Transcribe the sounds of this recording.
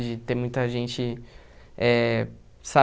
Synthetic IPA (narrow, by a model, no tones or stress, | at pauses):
d͡ʒɪt̪ẽj̃mũj̃t̪ɐʒẽnt͡ʃɪ | ɛ | sa